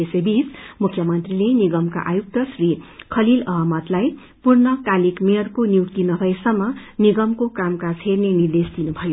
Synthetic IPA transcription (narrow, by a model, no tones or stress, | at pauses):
esebismukʰjʌmʌnt̪rileniɡʌmka̰ʔajuk̚t̪ʌsrikʰʌlilʌɦamʌt̪laj | purnʌkalikmejʌrkoniwkt̪inʌɡʱʌjsʌmːʌniɡʌmkokamkat͡sʰernenird̪esd̪inubʱʌjo